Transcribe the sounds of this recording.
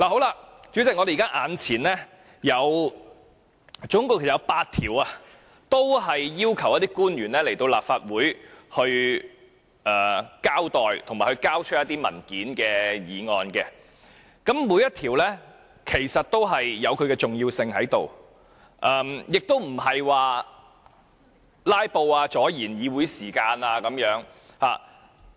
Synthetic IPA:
laː˨˩ɦo˨˥wlaː˧t͡ʃy˨˥t͡sɪ˨k̚ŋɔ˧deː˨kaː˥ʔaː˨˧nt͡sʰiː˨˩nlɛː˥ | jɐ˨˧w | t͡sʊ˨˥ŋkʊ˥˧ke˨˩sjɐ˧wpaː˧tt̪ʰːiː˨˩waː˧ | t̪o˥wɦɐ˨jjiː˥wkʰɐ˨˩wjɐ˥t̪iː˥kuː˥njyː˨˩nlɛː˥le˨˩jt̪o˧wla̰ː˨p̚faː˧t̚wuː˨˥jhɵ˧ɥ | ʔɛː˨kaː˥wt̪ɔː˨jt̪ʰʊ˨˩ŋmaː˨˩jhɵ˧kaː˥wt͡ʃʰɵ˥t̚jɐ˥t̪̚iː˥mɐ̰˨˩nkiː˨˥nkɛː˧jiː˨˧ŋɔː˧nkɛː˧ | kɐ˨˥mːuː˨˧jɐ˥t̪̚ʰiː˨˩wlɛː˥ | kʰe˨˩jsɐ˨t̚t̪o˥wɦɐ˨jːɐ˨˧wkʰɵ˨˧kɛː˧t͡ʃʊ˨ŋjiː˧wsɪ˧ŋɦɐ˨˥jt̪o̰˨w | ʔɐː˧mjɪ˨k̚t̪o˥wm̩˨˩ɦɐ˨jwaː˨˧ | laː˥jpo˧waː˧t͡ʃɔː˨˥jiː˨˩njiː˨˧wuː˨˥jsiː˨˩kaː˧naː˧kɐ˨˧mjœː˨˥ŋ | haː˨˩

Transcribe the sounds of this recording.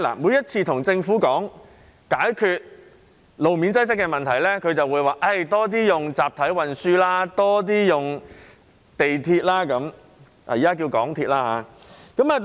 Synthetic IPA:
la̰ː˨˩muː˨˧˥jɐ˥t̚t͡sʰiː˧t̪ʰʊ˨˩ŋt͡sɪ˧ŋfuː˨˥kɔː˨˥ŋ | kaː˨˥jkʰyː˧t̚ | lo˨wmiː˨˥nt͡sɐ˥js̬ɪ˥kːɛː˧mɐ˨nt̪ʰɐ˨˩jlɛː˥kʰɵ˨˧ɥt͡sɐ˨wuː˨˧jwaː˨˩ʔɐ˥˩jt̪ɔː˥t̪̬iː˥jʊ˨ŋt͡saː˨p̚t̪ʰɐ˨˥jwɐ˧nsyː˥laː˥t̪ɔː˥t̪̬iː˥jʊ˨˩ŋ | t̪e˨jt̪ʰiː˧t̚laː˥kɐ˨˥m | a̰˨˩jiː˨kaː˥k̬iː˧wkɔ̰ː˨˥ŋt̪ʰiː˧t̚laː˥ɦaː˨˧ | kɐ˨˥mɐː˨

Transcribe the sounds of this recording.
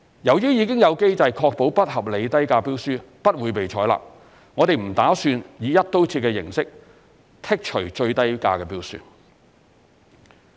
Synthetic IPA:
jɐ˨˩wjyː˥jiː˨˧kɪ˥ŋjɐ˨˧wke˥jt͡sɐ˧jkʰɔː˧k̚po˨˥wpɐ˥t̚hɐ˨p̚le˨˧jt̪ɐ˥jkaː˧piː˥wsyː˥ | pɐ˥t̚wuː˨˧jpe˨jt͡ʃʰɔː˨˥jla̰ː˨p̚ | ŋɔː˨˧t̪e˨jm̩˨˩t̪aː˨˥syː˧njiː˨˧jɐ˥t̚t̪o˥wt͡sʰiː˧kɛː˧jɪ̰˨˩ŋsɪ˥k̚ | t̪ʰɪ˥k̚t͡ʃʰɵ˨˩t͡ʃɵ˧ɥt̪ɐ˥jka̰ː˧kɛː˧piː˥wsy̰ː˨˧n

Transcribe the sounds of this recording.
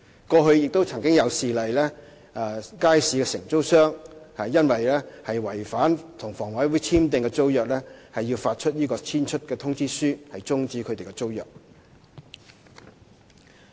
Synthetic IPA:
kɔː˧ɦɵ˧ɥjɪ˨k̚t̪wt͡sʰɐ˨˩ŋkɪ˥ŋjɐ˨˧wsiː˨lɐ˨jlɛː˥ | aː˨˧kaː˥jsiː˨˧kɛː˧sɪ˨˩ŋt͡so˥wsœː˥ŋhɐ˨˩jjɐ˥nwɐ˨jlɛː˥hɐ˨jwɐ˨˩jfaː˨˥nt̪ʰʊ˨˩ŋfɔː˨˩ŋwɐ˨˥jwu˨˥jt͡sʰiː˥mt̪ɪ˨˧ŋkɛ˧t͡so˥wjœː˨k̚lɛː˥hɐ˨jːiː˧wfaː˧t̚t͡ʃʰɵ˥t̚jiː˥kɔː˧t͡sʰiː˥nt͡ʃʰɵ˥t̚kɛː˧t̪ʰʊ˥ŋt͡siː˥syː˥hɐ˨jt͡sʊ˥ŋt͡siː˨˥kʰɵ˨˧t̪e˨jkɛ˧t͡so˥wjœ̰ː˨˩k̚

